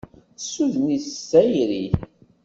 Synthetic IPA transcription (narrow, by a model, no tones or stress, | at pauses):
sːuðnissæjɾi